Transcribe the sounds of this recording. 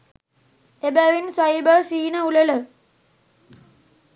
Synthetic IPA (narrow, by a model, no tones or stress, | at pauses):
ebæʋinsaibəsiɦinəulelə